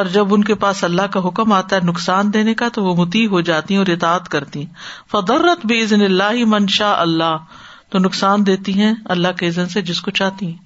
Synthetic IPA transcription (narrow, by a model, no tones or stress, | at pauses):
ɔːɾd͡ʒɐbʊnkepaːsɐlːaɦkaɦʊkəmaːt̪aɦɛnʊksaːnd̪eːnekat̪oʋomʊt̪iːɦod͡ʒaːt̪iɦɛ̃ɔːɾɪt̪aːt̪kɐɾt̪iɦɛ̃fɐd̪ˤɐrːɐt̪bɪɪznɪlːaːɦɪmɐnʃaːʔɐlːaː | t̪onʊksaːnd̪eːt̪iɦɛ̃ɐlːaɦkeɪzənsed͡ʒɪskot͡ʃaːɦt̪iɦɛ̃ː